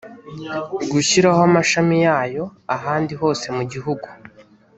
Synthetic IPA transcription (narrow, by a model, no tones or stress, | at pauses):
ɡuçiɾahoamaʃamijaːjo̞aɦaːndiɦo̞ːse̞muɟiɦuɡu